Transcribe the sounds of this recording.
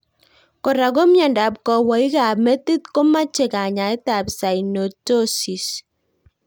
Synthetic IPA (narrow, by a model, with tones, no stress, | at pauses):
kɔ˨ɾa˨ɡo˦mja˨nda˨p̚kɔ˨wa˨i˦ka˨mɛ˦t̪i˦t̪̚ko˦ma˦t͡ʃe˨ka˨ɲa˨ɛ˦ta˨bsa˨i˨no˨to˦si˨s